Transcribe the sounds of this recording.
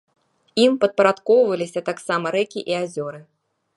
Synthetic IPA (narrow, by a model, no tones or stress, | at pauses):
impɐd̪̚pɐɾat̪kɔwvɐlʲisʲɐt̪aksamɐɾɛkʲiʔiazʲɔɾɨ